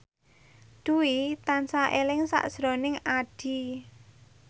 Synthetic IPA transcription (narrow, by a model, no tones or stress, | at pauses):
ɖ̪̥uwit̪ansaʔelɪŋsa̰ʔz̥ɾonɪŋaɖ̥i̤